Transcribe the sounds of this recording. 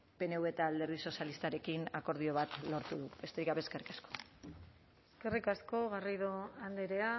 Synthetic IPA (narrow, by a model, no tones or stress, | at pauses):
pe̞ne̞ue̞t̪aːld̪e̞ɾðiso̞sjalist̪aɾe̞kinako̞ɾðio̞β̞at̪lo̞ɾt̪uðube̞st̪e̞ɾikaβeskerikasko̥ | eske̞rikasko̞ɣariðoand̪eɾe̞a